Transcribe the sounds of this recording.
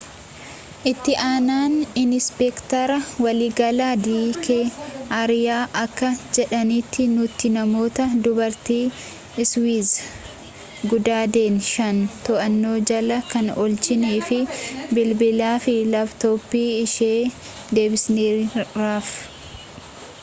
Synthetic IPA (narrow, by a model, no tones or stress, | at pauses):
ʔɪt̪ːɪʔaːnaːnɪnɪspɛkt̪ɐɾɐwɐliːɡɐlaːd̪iːkeɐɾɪjaːʔɐkːɐd͡ʒɛᶑɐniːt̪ːɪnʊt̪ːɪnɐmo̞ːt̪ɐd̪ʊbɐɾt̪iː | ɪswiːz | ɡʊd̪aːd̪e̞ːnʃɐnt̪ɔʔɐnːoːd͡ʒɐlɐkɐnɔlt͡ʃɪniːfɪbɪlbɪlaːfɪlɐbt̪oːpːiːɪʃeː | d̪e̞ːbɪsneːɾaːf